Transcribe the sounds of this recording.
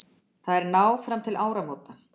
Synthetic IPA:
θaðɛɾnaːwfɾamt̪ʰɪlʔaːwɾamoːwt̪a

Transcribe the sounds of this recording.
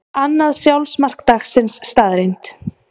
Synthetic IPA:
anːaðsjawlsmar̥kt̪axsɪnsːt̪aːðɾejnt̪

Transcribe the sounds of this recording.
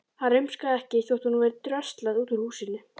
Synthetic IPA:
haɾʏɥmskaðɛhcɪiθjowht̪ʰunːuvɛɾt̪ɾœst̪laðuːt̪ʏɾ̥huːsɪnːʏ

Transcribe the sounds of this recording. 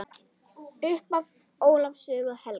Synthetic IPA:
ʏhpav | oːwlapsʏːɣʏðhɛl

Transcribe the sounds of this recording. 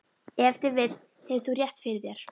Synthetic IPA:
ɛft̪ɪɾvɪt̪n̥ | hɛvɪθurjɛht̪fɪɾɪðjɛɾ̥

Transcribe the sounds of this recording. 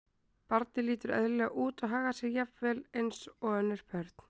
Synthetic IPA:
paɾt̪nɪliːt̪ʏɾɛ̰ðlɛaʔuːt̪aðɦaːɣasɛjapvɛːlejnsɔɣœnːɪɾ̥pʰœɾt̪n̥

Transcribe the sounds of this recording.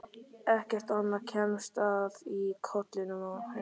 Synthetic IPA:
ɛhcɛr̥t̪ahanːacʰɛmst̪avikʰɔt̪lɪnʏmɔh

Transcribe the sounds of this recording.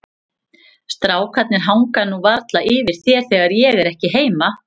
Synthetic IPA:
st̪ɾaːwkʰvat̪nɪɾɦawŋkanuvaɾt̪laʔɪːvɪɾ̥θjɛɾ̥θɛːɣaɾjɛɣɛɾɛhcɪɦeːjma

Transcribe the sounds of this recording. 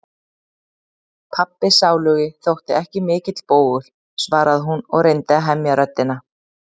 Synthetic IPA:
pʰapːɪsaːwlʏɣɪθowht̪ɪɛhcɪmɪːcɪt̪l̥poːwɣʏl̥ | svaːɾaðɦunɔɣrejnt̪ɪaɦɛmjaɾœt̪ːɪna

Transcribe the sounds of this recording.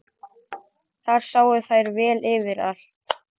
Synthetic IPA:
θaɾ̥saːwʏθajɾvɛːlɪvɪɾal̥t̪

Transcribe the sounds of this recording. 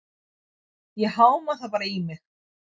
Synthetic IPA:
jɛhaːwmaθawpaːɾaimɪx

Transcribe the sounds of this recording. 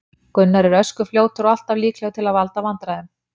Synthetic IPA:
kʏnːaɾɪɾœskʏfljoːwt̪ʏɾɔal̥t̪avliːklɛɣʏt̪ʰɪlaðvalt̪avant̪ɾaðɛm

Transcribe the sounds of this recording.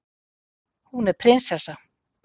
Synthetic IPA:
hunɛɾpʰɾɪnsθɛsa

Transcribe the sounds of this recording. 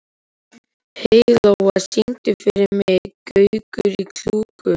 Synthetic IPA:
hejlowasiŋt̪ɪfɪɾɪɾmɛkœɥkʏɾikʰl̥uːkʏ

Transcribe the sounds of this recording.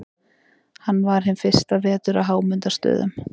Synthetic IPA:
hanːvaɾ̥ɦɪnfɪr̥st̪aɾɛːt̪ʏɾawɦaːwmʏnt̪ast̪œ̰ːðʏ̰m

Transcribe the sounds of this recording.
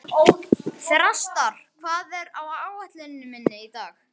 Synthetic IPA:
ɔɣθɾast̪aɾ̥kʰvaðɛɾawaaːwvaht̪lɪnnːʏmɪnːɪit̪aːx

